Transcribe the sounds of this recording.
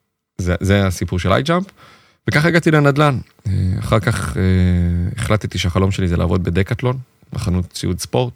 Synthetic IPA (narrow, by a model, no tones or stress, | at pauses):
zezeasipuʁʃela̰jd͡ʒamp | vekaχeɡat̪ilenad̪lan | ea̰χaʁkaχeeχlat̪t̪iʃeaχalo̞mʃe̞lizela̰ːvo̞d̪be̞d̪ekat̪lo̞n | ma̰χanut̪t͡siudspo̞ʁt̪̚